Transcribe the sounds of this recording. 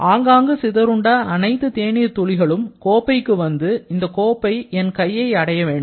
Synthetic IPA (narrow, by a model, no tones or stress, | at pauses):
ʔaːŋɡaːŋɡɯsɪðɐɾɯɳɖaːɐnɐɪt̪ːɯt̪eːnɪɐt̪ːɔɭɪɣɐɭɯmkoːpːɐɪkːɯʋɐnd̪ɯɪnd̪ɐkoːpːɐɪɛnkɐjːɐɪɐɽɐjɐʋeːɳɖɯm